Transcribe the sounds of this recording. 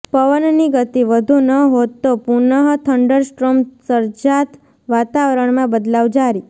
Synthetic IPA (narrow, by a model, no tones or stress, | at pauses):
pəʋənniɡət̪iʋəd̪ʱunəɦot̪ːopunəɦt̪ʰəɳɖəɾsʈɾomsəɾd͡ʒat̪ | ʋat̪aʋəɾəɳmãbəd̪laʋd͡ʒaɾi